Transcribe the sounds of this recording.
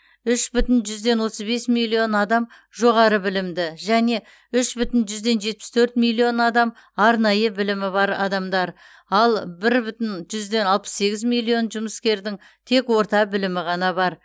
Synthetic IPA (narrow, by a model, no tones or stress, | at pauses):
ʏʃbʏt̪ɪnʒʏzd̪e̞nwo̞t̪əzbe̞smilʲˠːio̞nɑd̪ɑm | ʒo̞ʁɑɾəbɪlɪmd̪ɪʒæne̞ | ʏʃbʏt̪ɪnʒʏzd̪e̞nʒe̞t̪̚pɪ̥st̪ʰɵɾt̪milʲːio̞nɑd̪ɑm | ɑɾnɑjəbɪlɪmɪbɑɾɑ̰d̪ɑmd̪ɑɾ | ɑlˠbɪɾbʏt̪ɪnʒʏzd̪e̞nɑlˠpə̥sːe̞ɡʲɪzmilʲˠːio̞nʒʊməskʲe̞ɾd̪ɪŋ | t̪ʰe̞kwo̞ɾt̪ɑbɪlɪmɪʁɑnɑbɑɾ